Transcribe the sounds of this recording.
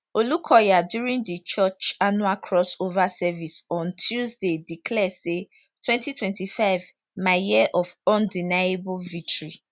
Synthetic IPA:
olukʰɔjadjuɹĩŋdit͡ʃɔt͡ʃanualkʰɹɔsovasɛvisɔ̃ntʰjuzdedikʰlɛse | tʰwɛ̃ntitwɛ̃ntifaɪv | majɛʔɔvɔ̃ndinajebʊlvik̚tʰoɹi

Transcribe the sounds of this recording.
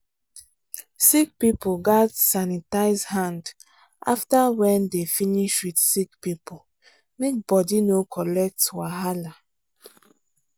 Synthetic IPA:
sik̚pipoɡadsanitaɪzhãnd | ʔa̰ftawɛ̃ndefiniʃwidsikpipo | mek̚bɔdinokʰɔlɛk̚twaɦala

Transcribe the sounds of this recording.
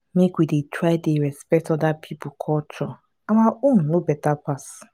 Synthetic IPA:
mekʷidetʰɾaɪdeɾɛspɛktɔdapʰipʊkʰɔtʰɔ | amaun̩nobɛtapas

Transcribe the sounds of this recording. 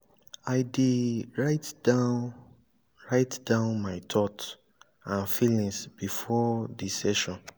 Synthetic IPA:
aɪdiɹaɪtda | ɹaɪtdãʊ̃nmaɪtʰɔt | ãnfilĩŋsb̥ifɔdisɛʃɔ̃n

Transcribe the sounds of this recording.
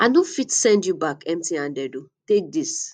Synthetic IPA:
anofitsɛ̃ndjubakɛ̃mtiãndɛdutek̚dis

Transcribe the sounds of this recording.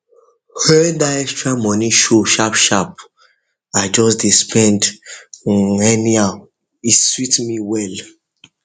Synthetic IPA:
hɛdaɛkstɹamɔniʃoʃapʃap̚ | ad͡ʒɔsdispʰɛ̃nd | ɛniaʊ | iswitmiwɛl

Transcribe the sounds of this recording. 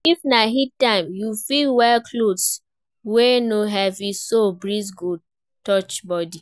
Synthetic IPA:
ifnaɦittãɪ̃mjufilwɛlkʰlods | wenoɦɛvĩsobɹizɡud | tɔt͡ʃbɔdi

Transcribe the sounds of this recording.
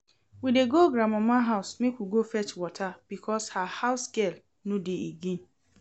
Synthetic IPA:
wideɡoɡɾamamãɦaʊsmikʷuɡofɛt͡ʃwɔtʰab̥ikʰɔshahaʊsɡɛl | nodeeɡin

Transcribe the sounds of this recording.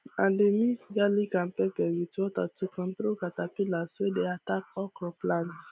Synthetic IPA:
ãndemĩsɡalikãnpɛpɛwitɔtatukɔ̃nt̪ɾokatapilaswedeatak̚ɔkɾɔplãnt

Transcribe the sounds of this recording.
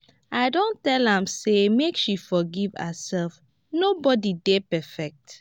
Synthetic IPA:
aɪdõntɛlãmsemekʃifɔɡivə̰sɛlf | nobɔdidepɛfɛk̚t

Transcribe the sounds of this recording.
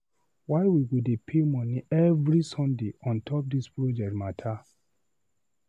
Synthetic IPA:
waɪwiwudepʰemɔ̃niɛvɾisɔ̃ndeʔɔ̃ntʰɔp̚dispɹod͡ʒɛk̚tmatʰa

